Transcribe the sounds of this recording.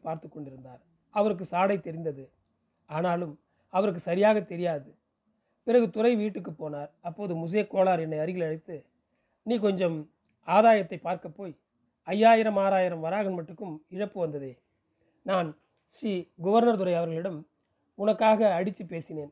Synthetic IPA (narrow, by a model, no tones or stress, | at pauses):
paːɾt̪ɯkːɔɳɖɪɾɯnd̪aːɾ | ɐʋɐɾɯk̬ːɯsaːɽɐɪt̪ːɛɾɪnd̪ɐðɯ | aːnaːlɯm | ɐʋɐɾɯkːɯsɐɾɪjaːɣɐt̪ɛɾɪjaːðɯ | pɪɾɐɣɯt̪ʊrɐɪʋiːʈːɯk̬ːɯpːoːnaːɾɐpːoːðɯmʊs̬eːkːoːɭaːɾɛnːɐɪɐɾɯjɪlɐɻɪt̪ːɯ | niːkɔɲd͡ʒɐm | aːðaːjɐt̪ːɐɪpːaːɾkɐpːoːj | ɐjːaːjɪɾɐmaːɾaːjɪɾɐmʋɐɾaːɣɐnmɐʈːɯkːɯmɪɻɐpːɯʋɐnd̪ɐðeː | naːn | ʂiːɡʊʋɐɾnɐɾt̪ʊɾɐɪɐʋɐɾɣɐɭɪɽɐm | ʊnɐkːaːɣɐːɽɪt͡ʃːɯpːeːsɪneːn